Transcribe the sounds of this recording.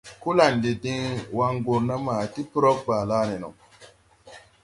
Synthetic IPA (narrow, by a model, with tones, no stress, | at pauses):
ko˦la˨nde˨dĩ˦ŋwa˦ŋɡo˨ɾna˦ma˨ti˦pɾɔ˦k̚baː˨laː˦ne˨nɔ̰˨